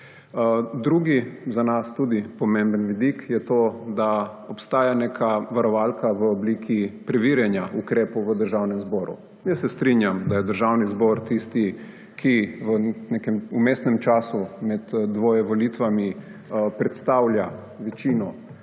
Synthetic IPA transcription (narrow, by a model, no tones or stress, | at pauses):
d̪ɾuːɡizanast̪ud̪ipɔmembənʋid̪ikjɛt̪oːd̪aɔpst̪aːjanekʰaʋaɾɔʋalkaʋəɔbliːkʰipɾɛʋiɾjɛnjaʔukɾeːpowʋəd̪əɾʒawnɛmzbɔːɾṵ | mjɛsɛst̪ɾinjamd̪ajɛd̪əɾʒawnizbɔɾt̪ist̪i | kʰiʋənekɛmumeːsnɛmt͡ʃaːsumɛd̪d̪ʋojɛʋɔlit̪ʋami | pɾɛt̪st̪awlʲja | ʋɛt͡ʃiːnɔ